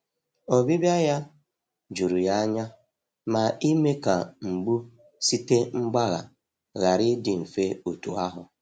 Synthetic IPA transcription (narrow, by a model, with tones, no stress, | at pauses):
o˨bi˦bja˦ja˦ | d͡ʒu˨ɾu˨ja˦ɲa˦ | ma˨i˦me˦ka˨ŋ͡m̩˨ɡ͡bu˦ | si˦te˦ŋ͡m̩˦ɡ͡ba˦ɣa̰˨ | ɣa˨ɾɪ˦dɪ˨m̩˨fe˦o˨tu˨a˦ɦʊ˨